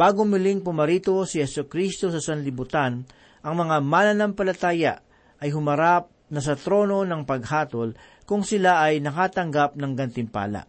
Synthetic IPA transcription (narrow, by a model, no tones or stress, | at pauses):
b̥aːɡomɪlɪŋpʊmɐɾiːt̪o̞sɪhɛsʊkɾist̪o̞sɐsɐnlɪbʊt̪an | ʔɐŋmɐŋamanɐnampɐlɐt̪aːjɐ̰ʔ | ʔɐjɦʊmɐɾap̚nɐs̬ɐt̪ɾo̞ːno̞nɐŋpɐɡ̚haːt̪ol | kʊŋsɪlaʔɐjnɐkaːt̪ɐŋɡap̚nɐŋɡɐnt̪ɪmpa̰ːla̰ʔ